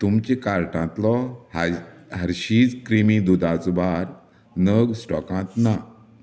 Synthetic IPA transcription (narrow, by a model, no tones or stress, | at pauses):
t̪umt͡ɕẽkaɾʈãt̪lɔ | ɦəɾɕiːd͡zkɾimĩd̪ud̪at͡sbʱaɾ | nəɡsʈɔ̰kãt̪na